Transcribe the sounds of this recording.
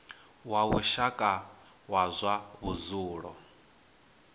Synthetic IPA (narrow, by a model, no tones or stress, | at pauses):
waβuʃakʼa | wazʷaβuzuːɺɔ̰